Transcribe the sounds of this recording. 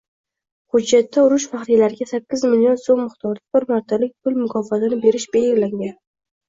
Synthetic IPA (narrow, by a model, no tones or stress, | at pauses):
hʊd͡ʒːat̪ʰːaʊɾʊʃfaχɾijlaɾɪɡʲasakʲːɪzmɪljo̞nsomːɪχt̪ʰɒɾd̪ɪbɪɾmaɾt̪ʰalɪk̚ʲpʰʊlmʊkʰɒfat̪ʰanɪbe̞ɾɪʃbelɡʲɪlaŋɡʲan